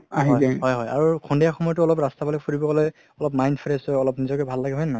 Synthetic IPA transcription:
aɦiɦjɛɦɔjɦɔja̰ɹukʰɔndijaxɔmɔjɔtʊɔlɔpɹastabalɔfʰuɹibɔɡɔlɔj | ɔlɔpmajnpʰɹɛsɔjɔlɔpnizɔkɛbʱalːaɡɛɦɔjnaj

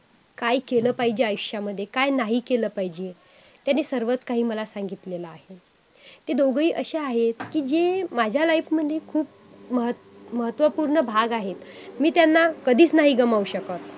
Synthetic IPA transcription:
kajkeləːpaɦid͡ʑeajkɕaməd̪ʱːjekajnaɦiːkeləːpaɦid͡ʑe | t̪janesəɾʋət͡skaɦiːməlasãŋɡit̪lelaaɦe | t̪ed̪oɡɭiːʔəɕeaɦet̪kiːd͡ʑemad͡ʑʱjalaijpməd̪ʱːjekʰuːp̚ | məɦə | məɦət̪ʋəpuɾɳəbʱaɡaɦet̪miːt̪janːakəd̪ʱiːt͡snaɦiːɡəmauɕəkət̪

